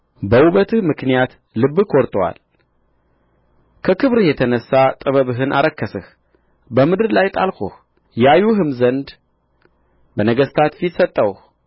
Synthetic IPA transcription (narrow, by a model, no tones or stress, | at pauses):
bəwuβət̪ʰɨhmɨknijat̪ | lɨbːɨkʰɔɾt̪ʼwa̰l | kʰəkʰɨβɾɨhjɛt̪ʰənəsːat̪ʼɨβəβɨɦɨnʔa̰ɾəkːəsɨh | bəmɨd̪ɨɾlajt̪ʼalko̰h | jajuɦɨmzənd̪ | bənəɡəst̪ʰat̪fit̪sət̪ʼːəwh